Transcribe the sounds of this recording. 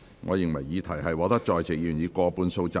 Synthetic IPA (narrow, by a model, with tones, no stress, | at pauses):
ŋʔɔː˨˧jɪ˨ŋmɐ˨˩jːiː˨˧t̪ʰɐ˨˩jɦɐ˨jwɔː˨˥t̪ɐ˥k̚t͡ʃɔː˨jt͡sɪ˨˩jyː˨˩njiː˨˧kɔː˧puː˨˧nso˧wt͡sa˧